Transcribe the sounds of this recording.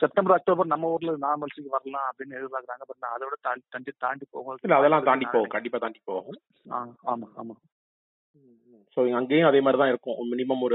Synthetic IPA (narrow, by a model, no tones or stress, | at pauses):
sɛp̚ʈɐ̃mbɐɾɐk̚ʈoːbɐɾnɐmːɐuːɾɐlnãːmɛlsɪkːɯʋɐɾɐlãːɐpːɽɪnːɯɛðɪɾpaːkɾaːŋɡɐpːɐʈːnaːɐðɐʋɪɽɐt̪aːt̪ɐɳɖit̪aːɳɖipo̰ːɣʊŋɡɐɭɪlːɐɐðɛlːãːt̪aːɳɖipːoːɣɐ̃kɐɳɖɪp̬ːaːt̪aːɳɖipːoːɣʊ̃ | aːaːmaːaːmaː | soːɐŋɡeːjʊ̃ɐðeːmaːd̪ɾit̪ãːɪɾɯkːʊ̃mɪnɪmɐmɔɾɯ